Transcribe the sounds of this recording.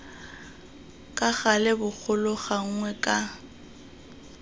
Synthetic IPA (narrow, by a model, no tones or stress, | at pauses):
kʼaɣalɪbʊk͡xʰʊlʊɣaŋ̩ŋwɛkʼa